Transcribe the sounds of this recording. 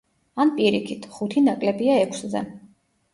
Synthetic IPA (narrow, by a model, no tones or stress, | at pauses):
anpʼiɾikʰit̪ʰχut̪ʰinakʼlɛbiaɛkʰszɛ̰